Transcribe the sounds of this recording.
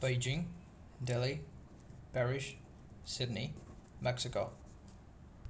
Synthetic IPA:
b̥eɪd͡ʒɪ̃ŋ | dɛli | pʰɛɹɪʃ | sɪdⁿnimɛksɪko

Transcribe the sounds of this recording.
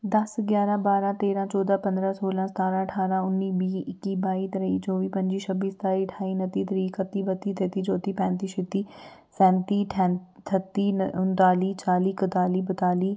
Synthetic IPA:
d̪əsɡjaːɾãːbaːɾãːt̪eːɾãːt͡ʃɔːd̪ãːpə̃nd̪ɾãːsoːlãːst̪aːɾãːəʈʰaːɾãːʊnːiːbiːɪkiːbaːiːt̪əɾəiːd͡ʒoːʋiːpə̃ɲd͡ʒiːʃʰəbiːst̪aːiːʈʰaːiːnət̪iːt̪əɾiːkət̪iːbət̪iːt̪et̪iːd͡ʒoːt̪iːpɛ̃ːnt̪iːʃɪt̪iː | sɛ̃ːnt̪iːʈʰɛ̃ | t̪ʰət̪iːʊnt̪aːliːt͡ʃaːliːkət̪aːliːbət̪aːliː

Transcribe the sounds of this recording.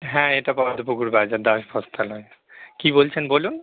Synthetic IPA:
ɦɛ̃eʈapɔɾd̪ʱopokuɾbad͡ʑaɾd̪aʃbʱɔst̪ʰalɔe | kibolt͡ɕʰenbolun

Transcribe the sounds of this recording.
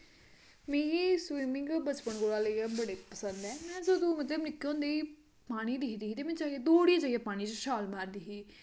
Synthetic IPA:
mẽːɡiːswiːmɪ̃ŋɡbət͡ʃpəɳɡoːɽaːləjãːbəɽeːpəsənd̪ɛːmɛ̃ːsəd̪ũːmət̪̬ləbnɪkːeõːnd̪eːiː | paːɽ̃iːd̪ɪkʰd̪iːɦiːt̪eːmɛ̃ːt͡ʃaːed̪oːɽijãːd͡ʒəjãːpaːɽ̃iːt͡ʃʃaːlmaːɾd̪iːɦiː

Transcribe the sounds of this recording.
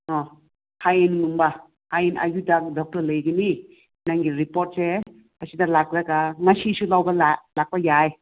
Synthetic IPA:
ɔ | hajennumbɐ | hajena̰judak̚dɔk̚tɐɾlɐjɡɐni | naŋɡiɾipoɾt̚se | ɐsidɐlak̚ɾɐɡaŋɐsisulawbɐlalak̚pɐjaj

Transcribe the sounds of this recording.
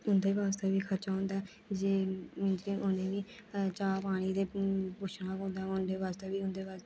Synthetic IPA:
ʊnd̪eːʋaːst̪eːbiːkʰəɾt͡ʃaːʊ̃nd̪aː | d͡ʒeːmɪ̃nd͡ʒkeːʔʊnẽːʋiː | t͡ʃaːpaːɽ̃iːd̪eːpʊʃʰnãːkõːnd̪aːʊnd̪eːʋaːst̪eːʋiːʊnd̪eːʋaːs

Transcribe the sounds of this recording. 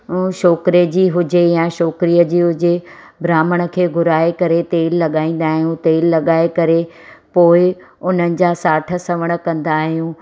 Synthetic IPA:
ʃɔːkɾed͡ʑiːɦʊd͡ʑejãʃɔːkɾijəd͡ʑiːɦʊd͡ʑe | bɾaːməɽ̃ə̆kʰeːɡʱʊɾaːekɐɾet̪eːlːɐɠaːĩːn̆d̪aːɦijũt̪eːlːɐɠaːekɐɾe | poːɪ | ʊn̤ənɪ̆d͡ʑaːsaːʈʰə̆sɐʋəɽ̃ə̆kɐ̃nd̪aːɦijũː

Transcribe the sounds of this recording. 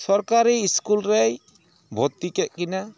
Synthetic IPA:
sɔɾkaɾiːskulɾej | bʱɔt̪ːikɛʔ̚kina

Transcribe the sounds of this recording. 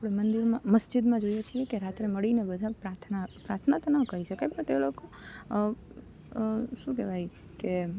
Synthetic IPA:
apɽemənd̪iɾmãməsd͡ʒɪd̪mãd͡ʒojet͡ʃʰiekeɾat̪ɾeməɭinebəd̪ʱapɾat̪ʰnapɾat̪ʰnat̪onəkəɾiʃəkajpəɳt̪eloko | ʃũkɛʋaj | ke

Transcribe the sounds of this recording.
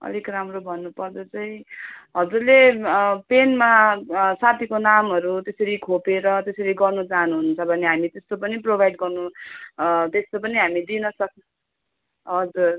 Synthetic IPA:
ʌ̰likramrobʱʌnːupʌrd̪et͡saĩɦʌd͡zurlepenmasat̪ʰikonamɦʌɾut̪esʌɾikʰopeɾʌt̪esʌɾiɡʌrnut͡saɦʌnuɦunnt͡sʰʌbʱʌneɦamit̪est̪opʌniprobʱajɖɡʌrnu | t̪est̪opʌniɦamid̪inʌsʌk̚ | ɦʌd͡zur

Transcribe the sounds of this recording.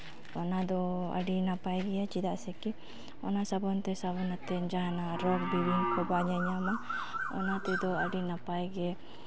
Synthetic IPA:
ɔnad̪ɔa̰ɖinapajɡɛat͡ʃid̪aʔsɛki | ɔnasabɔnt̪ɛsaβɔnat̪ɛnd͡ʒaɦanaɾɔk̚biwiŋkɔbaɲaɲamaɔ̰nat̪ɛd̪ɔaɖinapajɡɛ

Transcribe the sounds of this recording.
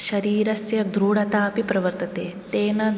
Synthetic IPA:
ʃɐɾiːɾɐsjɐd̪ɾuːɽɐt̪aːpipɾɐʋɐɾt̪ɐt̪eːt̪eːnɐ

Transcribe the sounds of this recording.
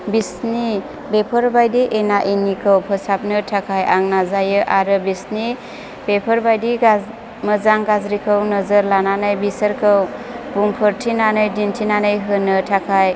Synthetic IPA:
bisni | bepʰəɾbajdiʔenaʔinikʰɯwpʰəsap̚nɯtʰakʰajʔaŋnazajɯʔaɾɯbisni | bepʰəɾbajdiɡa | məzaŋɡazɾikʰɯwnəzəɾlananɯjbisəɾkʰɯwbuŋpʰɯɾtʰinanɯjdintʰinanɯjɦɯnɯtʰakʰaj

